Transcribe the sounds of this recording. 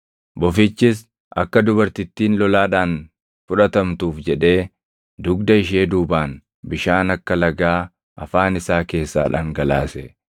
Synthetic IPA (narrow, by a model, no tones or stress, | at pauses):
bɔfɪt͡ʃːɪs̬ | ʔɐ̰kːɐd̪ʊbɐɾt̪ɪt̪ːiːnlɔlaːᶑaːn | fʊᶑɐt̪ɐmt̪uːfd͡ʒɛᶑe̞ː | d̪ʊɡd̪ɐɪʃe̞ːd̪uːbaːn | bɪʃaːnɐkːɐlɐɡaː | ʔɐfaːnɪsaːke̞ːsːa̰ːᶑa̰ːŋɡɐlaːsɛ